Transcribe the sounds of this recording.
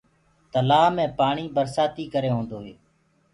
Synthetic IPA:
t̪əlaːmẽːpaːɳiːbəɾsaːt̪iːkəɾeːɦõːnd̪oːɦeː

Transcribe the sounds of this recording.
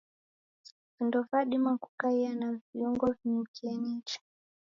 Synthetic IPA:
vindɔvaɗimaku̥kaianaɱviuŋɡɔvinim̩kiɛnit͡ʃḁ

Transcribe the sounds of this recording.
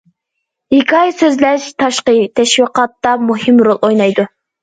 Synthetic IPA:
ikʰɑjsøzlɛʃt̪ʰɑʃqət̪ʰɛʃwiqɑt̪ːɑmuɦimɾolˠojnɑjd̪u

